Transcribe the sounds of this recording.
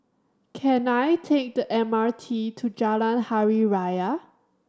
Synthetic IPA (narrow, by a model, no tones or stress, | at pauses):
kʰɛ̃najtʰek̚dəʔɛ̃matʰitʰud͡ʒalãnhaɹiɹajə